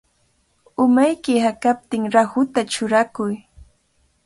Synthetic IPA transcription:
ʊmajkɪhakap̚t̪ɪŋɾahʊt̪at͡ʃʊɾakʊj

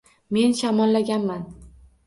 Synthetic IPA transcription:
me̞nʃamɒlːaɡʲanman

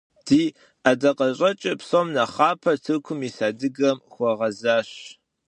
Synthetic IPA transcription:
d̥iː | adɐqɐɕʼɐt͡ʃʼɪpsomnɐχaːpʰɐtʰɨkʷʰʊmisaːdɨɡɐmxʷɔʁɐzaːɕ

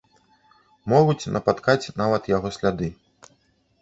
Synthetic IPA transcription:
mɔɣut͡sʲnʔɐpat̪kat͡sʲnavɐt̪jaɣɔsʲlʲad̪ɨ

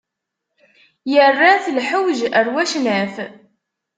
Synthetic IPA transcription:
jərːaθlħəwʒəɾwæʃnəf

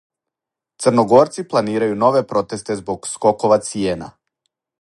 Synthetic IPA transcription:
t̪sərnoɡoɾt̪siplˠaniːɾajunoʋɛpɾot̪est̪ɛzbokskokoʋat̪siena̰

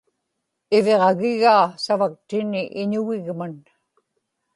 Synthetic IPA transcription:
ɪveʁɑɣɪɣaːsavak̚t̪ɪnɪʔɪɲʊɣɪɣman

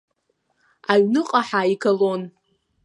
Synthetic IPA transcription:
aɥnɨqʼaħaikʰalon

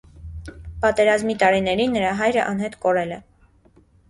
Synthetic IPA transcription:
pɑt̪ɛɾɑzmit̪ɑɾinɛɾinːəɾɑɦɑjɾəʔɑn̪ɦɛt̪kɔɾɛlɛ

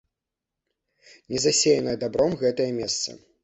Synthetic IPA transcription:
nʲɛzasʲejɐnɐjɐd̪abɾɔmɣɛt̪ɐjɐmʲɛst̪sɐ̰

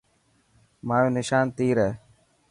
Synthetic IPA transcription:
maːjoːnɪʃaːnt̪iːɾɛː

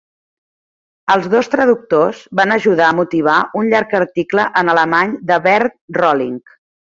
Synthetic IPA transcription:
əlˠzðost̪ɾəðuk̚t̪ozβanəʒuðaəmut̪iβ̞aʔunʎaɾkəɾt̪ikləʔənələmaɲd̪əβɛɾt̪̚rɔliŋk

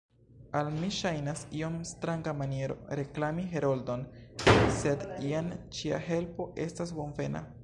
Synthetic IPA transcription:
almiʃajnasio̞mstɾaŋɡamanije̞ɾo̞̰ɾe̞klamiɦeɾoldo̞nse̞diant͡ʃia̰he̞lpo̞ʔe̞stas̬bo̞nve̞na̰

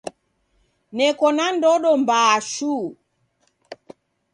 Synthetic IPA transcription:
nɛkɔnandɔɗɔmbaʃu

